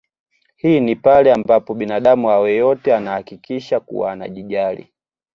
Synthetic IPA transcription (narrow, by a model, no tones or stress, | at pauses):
hiːnipalɛambapɔɓinaɗamuawɛjɔtɛanahakikiʃakṵwa̰ːna̰ʄiʄalḭ